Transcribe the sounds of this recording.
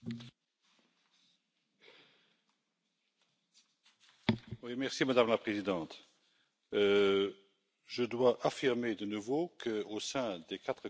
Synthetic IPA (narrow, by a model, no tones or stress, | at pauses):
wimɛʁsimad̪amlapχezid̪ɑ̃t̪ | ʒəd̪waʔafiʁmed̪ənuvokʰəosɛ̃d̪ekat̪χə